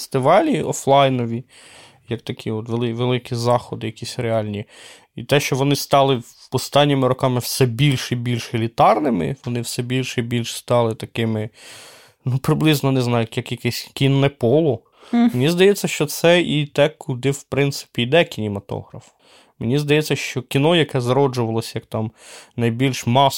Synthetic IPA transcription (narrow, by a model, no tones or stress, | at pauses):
st̪ɪʋɑlʲiɔflˠɑjnɔʋʲi | jɐkt̪ɐkʲʰiɔt̪ʋelˠɪʋelˠɪkʲizɑxɔd̪ɪjɐkʲisʲɾeɑlʲnʲi | it̪ɛʃt͡ʃɔʋɔnɪst̪ɑlˠɪ | ɔst̪ɑnʲːɪmɪɾɔkɑmɪwsɛbʲilʲʃibʲilʲʃilʲit̪ɑrnɪmɪ̰ʋɔnɪwsɛbʲilʲʃɛibʲilʲʃst̪ɑlˠɪt̪ɐkɪmɪ | nupɾɪblˠɪznɔnɪznɑjʊjɐkjɐkɛsʲkʲinːɛpɔlˠɔ | mmenʲizd̪ɐjɛtʲt͡sʲːɐʃt͡ʃɔt̪sɛit̪ɛkʰʊd̪ɪwpɾɪnt̪sɪ̥pʲijd̪ɛkʲinʲɪmɐt̪ɔ̰hɾɐf | menʲizd̪ɐjɛt͡sʲːɐʃt͡ʃɔkʲinɔjɐkɛzɾɔd͡ʒʊʋɐlˠɔsʲjɐkt̪ɑmnɐjbʲilʲʃmɑs